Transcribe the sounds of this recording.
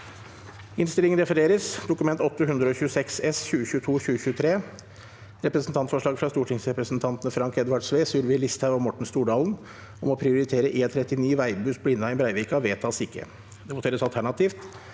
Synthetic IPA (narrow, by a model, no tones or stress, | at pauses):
ɪnst̪ɪlɪŋənɾɛfəɾeːɾəsd̪ʊkʉmɛnt̪ɔt̪ːəɦʉnd̪ɾəɔçʉːsɛksɛsçʉːəçʉːət̪ʰuːçʉːəçʉːət̪ʰɾeː | ɾɛpɾəsn̩t̪ʰɑnt̪fɔʂɭɑːɡfɾɑst̪uːʈʰɪŋsɾɛpɾəsn̩t̪ʰɑnt̪nəfɾɑŋkɛd̪ʋɑɖsʋeːsʉːɾʋɪlɪst̪ʰhɑʋɔmɔʈːɳ̩st̪uːɖɑːln | ɔmɔpʰɾɪʊɾɪt̪ʰeːɾəʔeːt̪ʰɾɛt̪ːɪniːʋæɪbʉːsblɪnːɑɪbɾæɪʋɪkɑʋeːt̪ʰɑsɪkːə̰ | d̪ɛbʊt̪eːɾəsɑlt̪ʰæɳɑt̪ʰiːft̪